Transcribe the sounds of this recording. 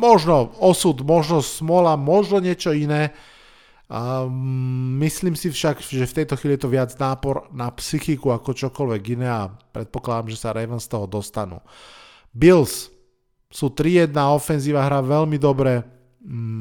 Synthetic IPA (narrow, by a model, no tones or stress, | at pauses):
mɔʒnɔɔsud̪mɔʒnɔsmɔlamɔʒnɔɲɪɛt͡ʃɔinɛː | misliːmsifʃaɡʒɛft̪ɛjt̪ɔxiːlijɛt̪ɔʋɪad͡znaːpɔɾnapsixikuakɔt͡ʃɔkɔlʋɛɡinɛːapɾɛt̪̚pɔklad̪amʒɛsaɾɛʋənst̪ɔɦɔd̪ɔst̪anṵː | bils | sut̪ɾijɛd̪naːɔfɛnziːʋaɦɾaʋɛlmid̪ɔbɾɛ